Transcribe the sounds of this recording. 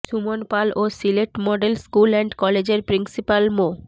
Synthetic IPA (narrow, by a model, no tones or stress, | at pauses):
ʃumonpalosileʈmɔɖelskulɛɳɖkɔled͡ʑeɾpɾinsipalmo